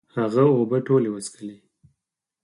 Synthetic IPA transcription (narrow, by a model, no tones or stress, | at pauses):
haɣaobəʈolewəskəli